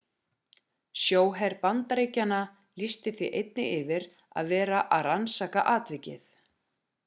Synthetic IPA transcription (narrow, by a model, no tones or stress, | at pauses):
sjoːwɦɛɾpant̪aɾejcana | list̪ɪθvḭʔejt̪nɪʔɪvɪɾ | a̰ðvɛːɾaʔaðransaːka̰ʔaːt̪vɪcɪ̰θ